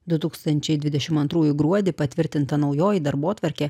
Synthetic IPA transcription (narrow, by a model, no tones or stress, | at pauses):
d̪ʊt̪uːkst̪ɐnʲt͡ʃʲɛɪd̪ʲʋʲɪd̪ʲɛʃʲɪmɐnt̪ɾuːjʊɡɾuɔd̪ʲɪpɐt̪ʲʋʲɪɾʲt̪ʲɪnt̪ɐnɒʊjoːjid̪ɐɾboːt̪ʋɐɾʲkʲeː